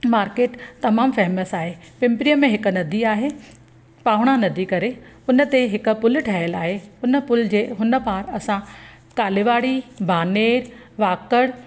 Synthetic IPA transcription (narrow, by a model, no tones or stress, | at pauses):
maːɾkeːʈt̪ɐmaːmfɛɦməsaːɦepɪ̃mpɾiəmẽɦɪkʊ̆nɐd̪ʱiaːɦe | paːʋɽ̃anɐd̪ʱikɐɾe | ʊnə̆t̪eɦɪkʊ̆pʊlʈʰaːɦəlaːɦeʊnə̆pʊld͡ʑeːɦʊnə̆paːɾɐsã | kaːlɪʋaːɽibʱaːneːɾ | ʋaːkəɽ